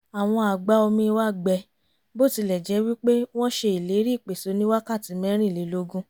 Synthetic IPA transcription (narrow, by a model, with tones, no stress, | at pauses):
a˨w̃ɔ̃˧a˨ɡ͡ba˦o˧mĩ˧wa˦˨ɡ͡bɛ˧ | bo˦˨ti˧lɛ˨d͡ʒɛ˨˧˦wi˦k͡pe˦w̃ɔ̃˦ʃe˧i˨le˨˦ɾi˦˨k͡pe˨so˨˦nĩ˦wa˦ka˦˨ti˨˦mɛ̃˦ɾ̃ĩ˦˨le˨˦lo˧˦ɡũ˦